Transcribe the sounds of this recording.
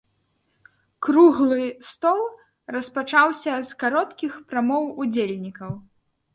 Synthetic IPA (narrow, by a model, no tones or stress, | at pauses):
kɾuɣlˠɨst̪ɔlˠ | rɐspat͡ʂawsʲɐzkaɾɔt̪kʲixpɾamɔwud͡zʲelʲnʲikɐw